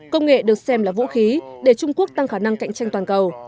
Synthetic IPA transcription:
kə˧wŋ͡mŋḛ˧˨ɗɨ˨˩ək̚sɛ˧mlaː˨˩vṵ˧˥xi˨˦ɗe˧˩t͡ɕʊ˧ŋ͡mku˦˥ək̚t̪a˧ŋxaː˧˩na˧ŋka̰˧˨jŋ̟t͡ɕa˧jŋ̟t̪waː˨˩nkə˨˩w

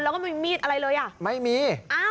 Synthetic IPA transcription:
aː˧˦kɔː˥˩ma˥˩miː˥˩t̪ʔa˧ɾa˧jlɤː˧jʔa˨˩ʔma˥˩jmiː˧ʔaː˧

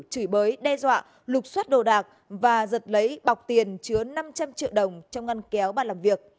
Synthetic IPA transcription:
t͡ɕɨ˧˩jɓəː˨˦jɗɛ˧zwa̰ː˧˨ | lʊ˨˩k͡p̚swa˦˥t̚ɗo̰˧˨˩ɗaː˨˩k̚ | vaː˨˩zə˨˩t̚lə˨˦jɓa˨˩wk͡p̚t̪i˨˩ənt͡ɕɨ˨˦əna˧mt͡ɕa˧mt͡ɕḭ˧˨əwɗə˨˩wŋ͡mt͡ɕɔ˧wŋ͡mŋa˧nkɛ˨˦wɓaː˧˨˩laː˨˩mvi˨˩ək̚

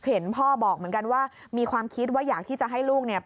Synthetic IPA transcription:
he˩˦npʰɔː˥˩bɔː˨˩k̚mɯ˦ənka˧nwaː˥˩ | miː˧kʰwaː˧mkʰi˦˥t̪̚waː˦˥˩jaː˨˩k̚t̪ʰiː˥˩t͡ɕa˨˩ɦa˥˩jluː˥˩k̚ni˥˩ɐ

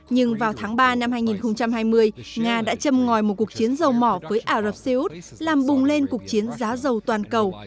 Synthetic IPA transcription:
ɲɨ˧ŋvaː˨˩wt̪ʰaː˨˦ŋɓaː˧na˧mhaː˧jŋi˨˩nxə˧wŋ͡mt͡ɕa˧mhaː˧jmɨ˧əjŋaː˧ɗa̰ː˧˥t͡ɕə˧mŋɔ˨˩jmo˨˩t̚ku˨˩ək̚t͡ɕi˨˦ənzə˨˩wmɔ˧˩vəː˨˦jʔaː˧˩zə˨˩p̚se˧ʔu˦˥t̚ | laː˨˩mɓʊ˨˩ŋ͡mle˧nkək̚t͡ɕi˨˦ənzaː˨˦zə˨˩wt̪waː˨˩nkə˨˩w

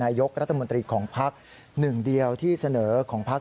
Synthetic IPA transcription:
aː˧jo˦˥k̚ɾa˦˥t̪ʰːa˧mo˧nt̪ɾiː˧kʰɔː˩˦ŋpʰa˦˥k̚ | nɯ˨˩ŋdi˧əwt̪ʰiː˥˩sa˧nɤː˩˦kʰɔː˩˦ŋpʰa˦˥

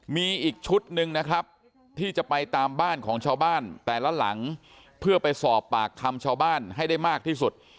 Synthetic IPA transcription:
miː˧ʔiː˨˩k̚t͡ɕʰu˦˥t̪̚nɯ˧ŋna˦˥kʰɾa˦˥p̚ | t̪ʰiː˥˩t͡ɕa˨˩pa˧jt̪aː˧mbaː˥˩nkʰɔː˩˦ŋt͡ɕʰaː˧wbaː˥˩nt̪ɛː˨˩la˦˥la̰˩˦ŋ | pʰɯ˥˩ɐpa˧jsɔː˨˩pːaː˨˩k̚ʰːa˧mt͡ɕʰaː˧wbaː˥˩nɦa˥˩jda˥˩jmaː˥˩k̚t̪ʰiː˥˩su˨˩t̪̚

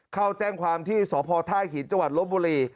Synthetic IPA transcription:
kʰa˥˩wt͡ɕɛː˥˩ŋkʰwaː˧mt̪ʰiː˥˩sɔː˩˦pʰɔː˧t̪ʰaː˥˩jkʰiː˩˦nt͡ɕa˧ŋwa˨˩lo˦˥t̪̚buː˧ɾiː˧

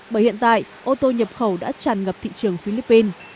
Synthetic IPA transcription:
ɓəː˧˩jhḭ˧˨ənt̪a̰ː˧˨jʔo˧t̪o˧ɲə˨˩p̚xə˧˩wɗa̰ː˧˥t͡ɕaː˨˩nŋɣə˨˩p̚t̪ʰḭ˧˨t͡ɕɨ˨˩əŋfi˧li˧˦˥pːi˧n

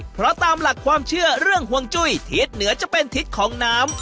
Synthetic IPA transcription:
pʰɾɔ˦˥t̪aː˧mla˨˩kʰwaː˧mt͡ɕʰɯ˥˩ɐɾɯ˥˩əŋɦu˧əŋt͡ɕu˥˩jt̪ʰiː˦˥t̪̚nɯ˩˦ɐt͡ɕa˨˩pe˧nt̪ʰi˦˥t̪̚kʰɔː˩˦ŋnaː˦˥m

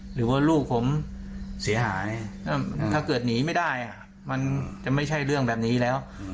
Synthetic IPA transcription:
ɾɯː˩˦waː˥˩luː˥˩k̚pʰo˩˦msi˩˦ɐɦaː˩˦jʔt̪ʰaː˥˩kɤː˨˩t̪̚niː˩˦ma˥˩jda˥˩jʔa˨˩ | ma˧nt͡ɕa˨˩ma˥˩jt͡ɕʰa˥˩jɾɯ˥˩əŋbɛː˨˩p̚niː˦˥lɛː˦˥w

